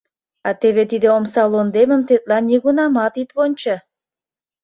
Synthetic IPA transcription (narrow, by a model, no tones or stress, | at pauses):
ɑt̪eβet̪id̪eomsɑlond̪emə̆mt̪et̪lɑnʲːiɣunɑmɑt̪it̪βonʲt͡ɕɑ